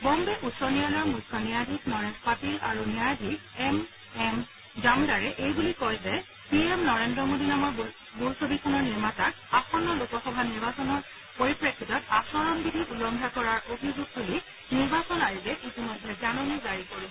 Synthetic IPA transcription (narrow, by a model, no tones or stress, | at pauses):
bɔmbɛʔutsɔnijalɔɹmukʰːɔnijadʱiknɔɹepatilaɹunijadʱikɛm | ɛm | zamdaɹɛʔejbulikɔjzɛ | piɛmnɔɹendɹɔmodinamɔɹ | bulsobikʰɔnɔɹniɹmatak | axɔnːɔlokɔxɔbʱaniɹbasɔnɔɹ | poɹipɹekʰːitɔtasɔɹɔnbidʱiʔulɔŋdʱakɔɹaɹobʱizuɡ̚buli | niɹbasɔnaɹilɛʔitimɔjdʱːɛzanɔnɛzaɹikoɹi